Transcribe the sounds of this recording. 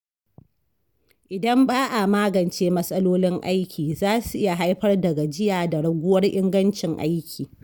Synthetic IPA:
ʔɪ˨dɐ˦mbaː˦ʔa˨maː˦ɡɐ˨nt͡ʃeː˦mɐ˦sʼɐ˦loː˦lɪ˦ŋʔa̰˦jkʲiː˨zaː˦su˨ʔɪ˦ja˨ɦa˦jɸɐ˦rdɐ˨ɡa˨d͡ʒɪ˦jaː˨da˨ɽɐ˨ɡʷʊ˦wɐ˦rʔɪ˦ŋɡɐ˦nt͡ʃɪ˨ŋʔa̰˦jkʲʰiː˨

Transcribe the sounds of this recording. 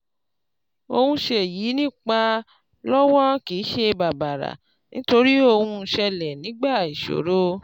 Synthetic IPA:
o˧hũ˧ʃe˧˨jiː˨˦nĩ˦˨k͡pa˧ | lɔ˦wɔ̃˦ki˨˦ʃe˧ba˨ba˨ɾa̰˨ | nĩ˨˦to˧ɾi˦o˧hũ˧ʃɛ˧lɛ˨nĩ˨˦ɡ͡ba˦˨i˨ʃo̰˨ɾo˦

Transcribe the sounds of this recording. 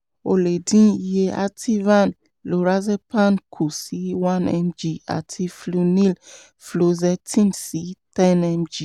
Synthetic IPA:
o˨le˨dĩ˨˦je˧a̰˦tʰi˦vã˦˨n | lo˨ɾa˦ze˦pã˦˨nkʰu˨si˨˦wã˦nɛ̰˧md͡ʒi˨a̰˨tʰi˧flu˧nĩ˦l | flo˧zɛ˧tĩ˦nsi˨˦tɛ˦nɛ˧md͡ʒi˨

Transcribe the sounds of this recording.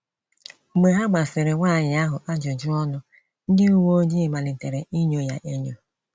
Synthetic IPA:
ɡ͡be˨ɦa˦ɡ͡ba˨sɪ˨ɾɪ˨ŋʷaː˦˨ɲɪ˨a˦ɦʊ˨ʔa˦d͡ʒɔ˨d͡ʒʊ˦ɔ˦nʊ˦ | n̩˦dɪ˦u˦wo˦ɲi˦ɪ˨ma˨lɪ˨n̩˨te˨ɾe˨i˦ɲo˦ja̰˨ʔe˦ɲo˦

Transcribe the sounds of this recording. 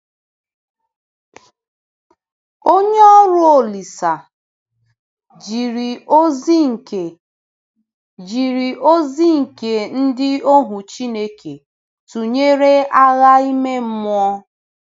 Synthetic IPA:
o˦ɲe˦ɔ˦ɾʊ˦o˨li˨sa˨ | d͡ʒi˨ɾi˨o˦zi˦ŋ̩˨ke˨ | d͡ʒi˨ɾi˨ʔo˦zi˦ŋ̩˨ke˨n̩˦dɪ˦o˦ɦu˨t͡ʃi˦ne˦kʰe˨ | tu˨ɲe˦ɾe˦a˦ɣa˦i˦me˦m̩˦m˦ɔ˦

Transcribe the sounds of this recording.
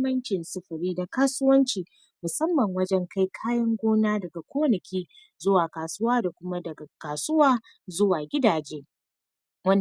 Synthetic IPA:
mɐ˦nt͡ʃɪ˨nsɐ˦ɸɐ˨ɾiː˦da˨kaː˦sʊ˦wɐ˦nt͡ʃiː˨ | mʊ˨sɐ˦mːɐ˨ŋwɐ˦d͡ʒɛ˦ŋkʰa˦jkʰaː˦jɐ˦ŋɡʷoː˦naː˦dɐ˨ɡa˨kʷoː˦nɐ˨kʲʰiː˦ | zʊ˦waː˨kaː˨sʊ˦waː˦da˨kʷʊ˦ma˦dɐ˨ɡa˨kaː˨sʊ˦waː˦ | zʊ˦waː˨ɡʲɪ˦daː˨d͡ʒeː˦ | wɐ˦n

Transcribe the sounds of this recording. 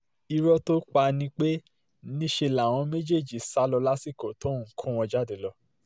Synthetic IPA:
i˧ɾɔ˦to˦k͡pa˧nĩ˧k͡pe˦ | nĩ˦ʃe˧la˨w̃ɔ̃˨˧˦me˦d͡ʒe˦˨d͡ʒi˨sa˦lɔ˧la˦si˦ko˨to˦˨˦kʰũ˦˨w̃ɔ̃˧d͡ʒa˦˨de˨lɔ˧˦

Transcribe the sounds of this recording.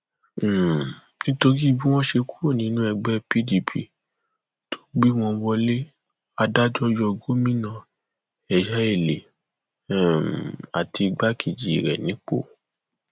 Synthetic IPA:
nĩ˦to˧ɾi˦i˧bi˦w̃ɔ̃˦ʃe˧ku̥˦o˦˨nĩ˨˦nũ˦ɛ˧ɡ͡bɛ˦pi˦di˨pʰḭ˧ | tʰo̥˦ɡ͡bi˦w̃ɔ̃˧wɔ˧le˦ | a˧da˦d͡ʒɔ˦jɔ˧ɡo˦mĩ˦nã˦˨ | ɛ˨ʃɛ˦e˨le˨ | a̰˨ti˧ɡ͡ba˦kʰi˨d͡ʒi˨i˨ɾɛ̰˨nĩ˨˦k͡po̰˦˨

